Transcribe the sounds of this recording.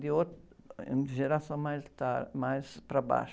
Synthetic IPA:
d̪ɪot̪ḛ̃d̪ʒeɾasɐ̃w̃majzt̪aɾmajspɾɐba̰ʃ

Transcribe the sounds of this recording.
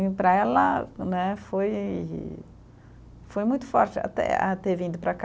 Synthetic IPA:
pɾɐɛlɐnɛfoj | fojmũj̃t̪ʊ̥fɔɾt͡ʃɪa̰t̪ɛ̰a̰t̪eɾvĩd̪ʊpɾɐk

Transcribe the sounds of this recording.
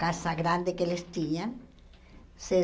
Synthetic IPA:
kasaɣɾand̪ekelest̪iɲan | se

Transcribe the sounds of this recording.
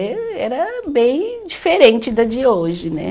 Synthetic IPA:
ɛɾɐbẽj̃d͡ʒifeɾẽnt͡ʃɪd̪ɐd͡ʒiɐoʒɪnɛ̰

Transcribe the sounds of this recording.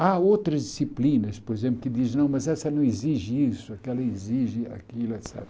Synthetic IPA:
aowt̪ɾɐzd̪isiplĩnɐspoɾezẽmp̬lʊkɪd̪iznɐ̃w̃mɐzɛsɐnɐ̃w̃iziʒɪisʊɐkɛlɐeziʒɪa̰kilɐsa̰b

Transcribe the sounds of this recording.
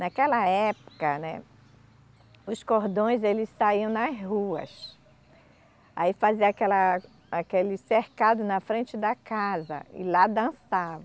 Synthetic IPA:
nakɛlɐɛpʊ̥kɐnɛ̰ | ʊskoɾd̪õj̃zelɪssaiɐ̃w̃nɐzhuɐ̰s | a̰ifaziɐakɛlɐ | akelɪseɾkad̪ʊnɐfɾẽnt͡ʃɪd̪ɐkazɐ̰ɪ̰lad̪ɐ̃savɐ̃

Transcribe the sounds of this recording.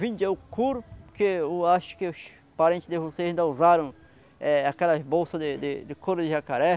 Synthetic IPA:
vĩnd͡ʒ̪ɛʊkuɾʊkeeaʃʊ̥keʊs | paɾẽnt͡ʃ̪ɪsd̪ɪvoseaĩnd̪ɐuzaɾɐ̃w̃ | ɛakɛlɐbowsɐd̪ɪd̪ɪd̪ɪkoɾʊd̪ɪʒakaɾɛ

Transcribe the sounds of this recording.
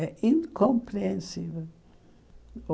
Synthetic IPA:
ɛʔĩŋkõmpɾẽnsivel | o

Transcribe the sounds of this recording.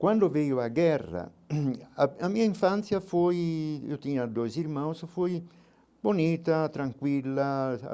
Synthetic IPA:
kwand̪ovejoaɡɛrːa̰ | amiːaiɱfant̪sjafojḭot̪iɲad̪ojsiɾmawsfoj | boniːt̪at̪ɾaŋkwilːa̰

